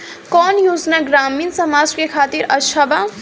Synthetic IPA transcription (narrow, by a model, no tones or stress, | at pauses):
kɔːnjoːd͡ʒnaɡɾaːmiːnsɐmaːd͡ʒkekʰaːt̪iɾɐʃʰaba